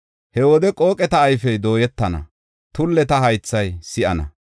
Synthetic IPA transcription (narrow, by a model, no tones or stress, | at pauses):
hɛwɔd̪ɛkʼo̞ːkʼɛt̪ɐːjfɛjd̪o̞ːjɛt̪ːɐnɐ̰ | t̪ʊlːɛt̪ɐhɐjt͡sːɐjsɪʔɐnɐ̰